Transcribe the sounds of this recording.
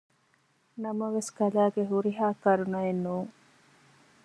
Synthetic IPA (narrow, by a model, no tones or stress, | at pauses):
nɐmɐʋeskɐlaːɡeɦuɾiɦaːkɐɾunɐenːuːŋ